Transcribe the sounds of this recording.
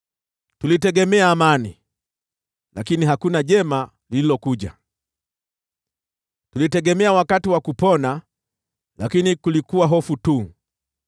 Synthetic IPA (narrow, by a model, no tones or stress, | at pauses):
tulitɛɡɛmɛaːmani | lakiniɦakunaʄɛma | lililɔkuʄa̰ | tulitɛɡɛmɛawakatiwakupɔna | lakinikulikuwaɦɔfutu